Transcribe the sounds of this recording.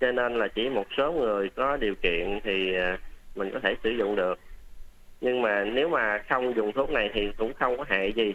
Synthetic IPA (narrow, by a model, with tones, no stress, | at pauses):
t͡ɕɔ˧ne˧nlaː˨˩t͡ɕi˧˩mo˨˩t̚so˨˦ŋɨ˨˩əjkɔ˨˦ɗi˨˩əwkḭ˧˨ənt̪ʰiː˨˩˨mï˨˩ŋ̟kɔ˨˦t̪ʰe˧˩sɨ˧˩zʊ̰˧˨ŋ͡mɗɨ˨˩ək̚ | ɲɨ˧ŋmaː˨˩ne˨˦wmaː˨˩xə˧wŋ͡mzʊ˨˩ŋ͡mt̪ʰu˨˦˥ək̚na˨˩jt̪ʰi˨˩kʊ̰˧˥ŋ͡mxə˧wŋ͡mkɔ˨˦ɦa̰ː˧˨jzi˨˩